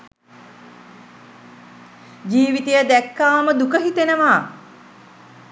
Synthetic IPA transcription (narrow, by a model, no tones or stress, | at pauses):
d͡ʒiːʋit̪ejəd̪ækːaːməd̪ukəɦit̪enəʋaː